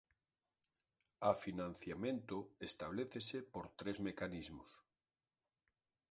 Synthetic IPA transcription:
afinãn̟θjamẽnt̪oest̪aβ̞leθesepoɾt̪ɾezmekanizmos

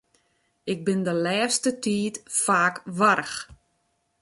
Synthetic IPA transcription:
ɪk̚bɪndəlɛːstətiːtfaːkʋaɾəx

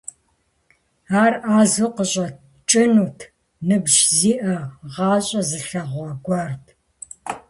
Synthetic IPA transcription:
aːraːzuqəɕʼɐt̚ | t͡ʃʼɪnuːtʰ | nɨbʒziːʔɐʁɑːɕʼɐzɨɬɐʁʷɐɡʷɑrtʰ

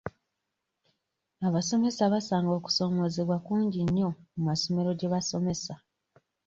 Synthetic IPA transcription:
aβaso̞me̞saβasaːŋɡo̞ːku̥so̞ːmo̞zeβwakuːɲɟiɲːo̞mumaso̞me̞ɾo̞ɟeβaso̞me̞sa

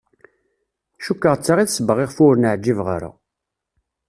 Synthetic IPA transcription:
ʃukːəʁt͡sːaʁiθsəbəʁiʁfʊɾnəʕd͡ʒːivʁa̰ɾa̰

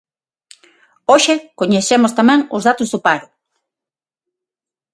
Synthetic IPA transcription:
oʃekoɲesemʊst̪amɛ̃ŋʊzðat̪ʊzðʊpaɾʊ

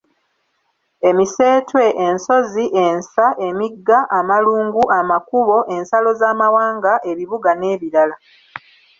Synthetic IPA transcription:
e̞mise̞ːtwe̞ʔenso̞ziʔe̞nsaʔe̞miɡːaʔamaluːŋɡuʔamakuβo̞ʔe̞nsalo̞zaːmawaːŋɡaʔe̞βiβuɡane̞ːβiɾala

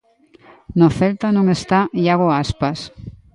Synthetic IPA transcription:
noθelt̪anõŋest̪aiaɣoaspas

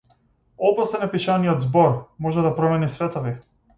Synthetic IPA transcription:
ɔbɔsɛnɛpiʃanijɔd̪zbɔɾmɔʒɛd̪apɾɔmɛnisvɛt̪ɔvi

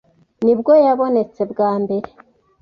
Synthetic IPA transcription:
nibɡo̞jaβo̞ne̞t͡se̞bɡaːmbe̞ɾe

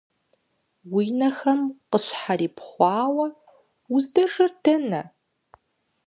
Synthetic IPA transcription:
wiːnɐxɐmqəɕħaɾiːpχʷɑːwɐ | ʊzdɐʐɐrdʰɐnɐ

